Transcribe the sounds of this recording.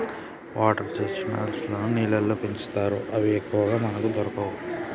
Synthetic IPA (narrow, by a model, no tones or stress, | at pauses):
ʋʔaːʈɐɾt͡ʃeːsina̰ːlsloːnuniːlɐlːoːpeɲt͡ʃu̥t̪aːɾuʔɐʋiekːuʋɐɡaːmɐnɐkud̪ɔɾɐkɐwu